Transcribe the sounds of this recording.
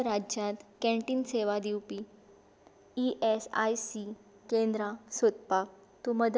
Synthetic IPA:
ɾad͡ʑjãt̪kɛ̃ɳʈiːnseʋad̪iwpi | iʔesa̰jsi | kẽnd̪ɾasot̪pak̚ | t̪uməd̪

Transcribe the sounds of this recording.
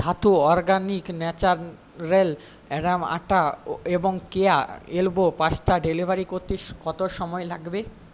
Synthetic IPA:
d̪ʰat̪uɔɾɡaniknɛt͡ɕaɾː | el | ɛɖama̰ʈaeboŋkeaelbopast̪aɖelibʱaɾikoɾt̪eʃkɔt̪oʃɔmɔelaɡbe

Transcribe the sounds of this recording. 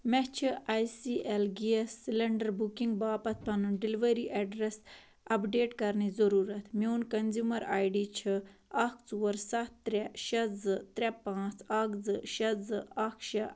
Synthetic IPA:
met͡ʃʰiaːjsiːʔelɡiesːilɐɳɖɐɾbukiŋɡ̚baːpɐt̪̚ʰpɐnunɖiliʋɐɾiʔɐɖɾes | ɐpɖeːʈkɐɾnizɐɾuːɾɐt̪ʰmiunkɐnzjumɐɾaːjɖiːt͡ʃʰɨɐk̚t͡swɐɾsɐt̪ːɾeʃɐzɨt̪ɾʲepãːt͡sʰɐɡzɨʃɐzɨɐkʰʃɐ

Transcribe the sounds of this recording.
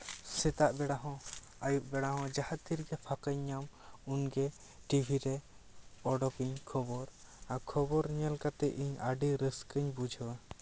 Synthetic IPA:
sɛt̪aʔbɛɽaɦɔ̃ | ajuʔ̚bɛɽaɦɔ̃d͡ʒahat̪ːiɾɡɛpʰakəɲːamunɡɛ | ʈibʱiɾɛ | ɔɖɔkiɲkʰɔbɔɾakʰɔbɔɾɲɛlkat̪ɛʔiɲaɖiɾəskəɲbud͡ʒʱɔwɛ

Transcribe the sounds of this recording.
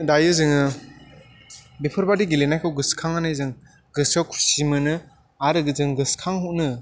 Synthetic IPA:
dajɯzɯŋɯ | bepʰɯɾbadiɡilenajkʰɯwɡɯskʰaŋanɯjzɯŋ | ɡɯsʰawkʰu̥ɾsimɯnɯ | aɾɯɡɯzɯŋɡɯskʰaŋhuknɯ

